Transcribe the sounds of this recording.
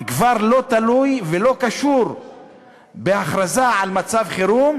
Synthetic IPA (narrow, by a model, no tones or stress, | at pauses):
kvaʁlo̞t̪alujvelo̞kaʃuɾ | beaχɾazaʕalmat͡savχeɾum